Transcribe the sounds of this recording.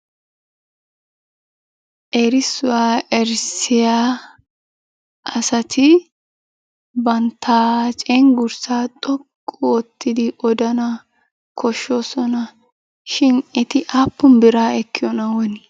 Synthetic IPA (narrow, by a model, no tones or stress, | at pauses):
ʔɛɾɪsʊwaːʔɛɾsɪjaː | ʔɐsɐt̪ʰɪ | bɐnt̪ːaːt͡ʃʼɛŋɡʊɾsaːt̪ʼɔkʼːt̪ːɪd̪ɪʔɔd̪ɐnɐ | kʰɔʃːoːsɔnɐ | ʃɪnɛt̪ɪʔaːpːʊmbɪɾaːɛkːɪjɔnɐwɔnɪ